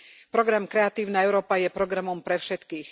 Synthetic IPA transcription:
pɾɔɡɾamkɾɛat̪iːʊnaɛʊɾɔːpajɛpɾɔɡɾamɔmpɾɛfʃɛt̪kiːx

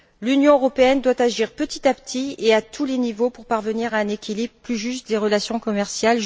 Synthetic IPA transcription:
lynjɔ̃øʁɔpeɛnd̪wat̪aʒiʁpət̪it̪apt̪ʰieat̪ʰulenivopuʁpaʁvəniʁaɛ̃nekʲilibʁəplyʒyst̪̚d̪eʁəlasjɔ̃kɔmɛʁsjal

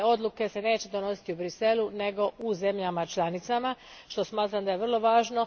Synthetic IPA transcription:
o̞d̪lˠuke̞se̞ne̞ːt͡ɕe̞d̪o̞no̞si̥t̪iubɾise̞lune̞ɡo̞uze̞mʎamat͡ʃlˠanit̪sama | ʃt̪o̞smaːt̪ɾamd̪aje̞ʋr̩lˠo̞ʋaːʒno̞

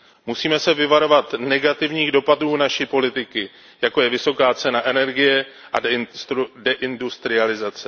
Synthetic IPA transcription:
musiːmɛsɛvɪvaɾo̞vat̪nɛɡat̪ɪvɲiːɣdo̞paduːnaʃipo̞lɪt̪ɪkɪ | jako̞jɛvɪso̞kaːt͡sɛnaʔɛnɛɾɡɪjɛʔa | dɛʔɪndust̪ɾɪalɪzat͡sɛ

